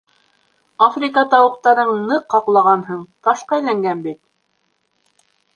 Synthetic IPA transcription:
afrʲikɑt̪ɑwɤ̆q̚t̪ɑɾɤɴnɤqhɑqlˠɑʁɑnɦɤɴt̪ɑʃqɑæjlæŋɡænbit̪̚

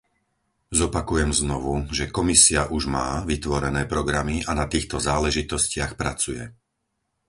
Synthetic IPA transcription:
zɔpakujɛmznɔʋuʒɛkɔmisiaʔuʒma̰ːʋit̪ʋɔɾɛnɛːpɾɔɡɾamianat̪iːxt̪ɔzaːlɛʒit̪ɔscɪaxpɾat͡sujɛ

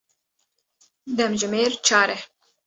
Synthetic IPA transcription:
d̪ɛmʒɨmeːɾt͡ʃʰaːɾɛ

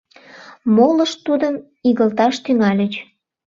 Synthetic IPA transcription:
moləʃt̪ud̪əm | iɣəlt̪ɑʃt̪yŋɑlʲət͡ɕ

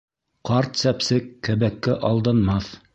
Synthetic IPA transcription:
qɑɾt̪sæpsɘkːæ̆βækːɘʔɑlˠd̪ɤnmɑθ

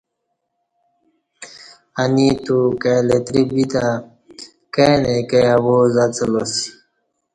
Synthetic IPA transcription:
anit̪ukelet̪ɾibit̪a | kenekejawozat͡selosi̥

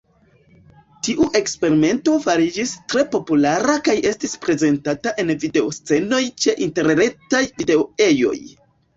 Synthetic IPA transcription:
tiʔuʔe̞kspe̞ɾime̞nto̞faɾid͡ʒistɾe̞po̞pulaɾakaje̞stispɾe̞ze̞ntataʔe̞nvide̞ost͡se̞no̞jt͡ʃe̞ʔinte̞ɾɾe̞tajvide̞oe̞jo̞̰j

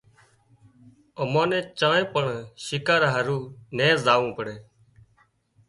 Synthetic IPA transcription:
əmãːnẽːt͡ʃãːẽːpəɳʃɪkaːɾaɦəɾuːnẽːzaːʋũːpəɽeː

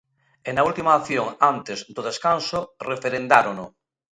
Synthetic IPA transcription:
enault̪imaːθjoŋant̪ezd̪oðeskansorefeɾend̪aɾono

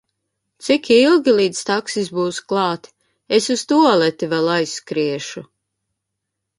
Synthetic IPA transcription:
t̪sikilˠɡʲilˠiːd̪st̪aksisbuːsklˠɑːt̪ | esust̪uɔlɛt̪ivɛlajsːkɾiɛʃu

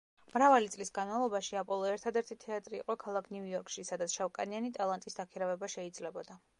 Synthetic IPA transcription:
mɾavalit̪sʼlisɡanmavlˠɔbaʃiapʼɔlˠɔɛɾt̪ʰad̪ɛɾt̪ʰit̪ʰɛat̪ʼɾḭːqʼɔkʰalˠakʰnuɔɾkʼʃisad̪at̪sʃavkʼa̰nianit̪ʼalˠant̪ʼisd̪akʰiɾavɛbaʃɛid̪zlɛbɔd̪a

